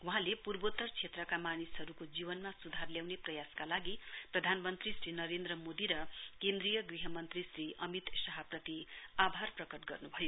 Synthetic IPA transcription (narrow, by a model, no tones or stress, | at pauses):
wuɦãlepurbot̪ːʌrt͡sʰet̪rʌkamanisɦʌɾukod͡zibʌnmasud̪ʱarljawneprʌjaskalaɡiprʌd̪ʱanmʌnt̪risɾinʌɾend̪rʌmod̪iɾʌkend̪rijʌɡriɦʌmʌnt̪risɾiʌmit̪sʌɦʌprʌt̪iabʱarprʌkʌʈɡʌrnubʱʌjo